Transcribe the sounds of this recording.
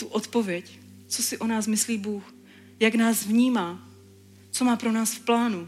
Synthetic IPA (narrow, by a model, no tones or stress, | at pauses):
t̪uʔot̪po̞vjɛc | t͡so̞sɪʔo̞naːsmɪsliːbuːx | jaknaːzvɲiːmaː | t͡so̞maːpɾo̞naːsfplaːnu